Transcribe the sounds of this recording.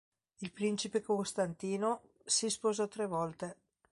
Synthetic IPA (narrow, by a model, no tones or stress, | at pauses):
ilpɾint͡ʃipekost̪ant̪iːno | sispozɔt̪ɾevɔlt̪e